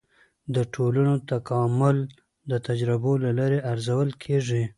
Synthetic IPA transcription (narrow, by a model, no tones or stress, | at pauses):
d̪əʈʰolanot̪akɑmʊl | d̪ət̪ad͡ʒɾɪbolalɑɾeʔaɾzawəlkʰeʐi